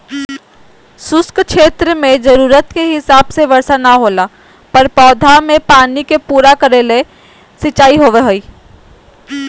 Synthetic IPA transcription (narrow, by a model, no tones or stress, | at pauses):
sʊskkʃeːt̪ɾəmẽd͡ʒɐɾuːɾət̪keɦɪsaːbseʋɐɾsanaɦoːlaː | pɐɾpɔːd̪ʱamẽpaːnikepuːɾakɐɾeːle | sɪt͡ʃaːiɦoːʋeɦoiː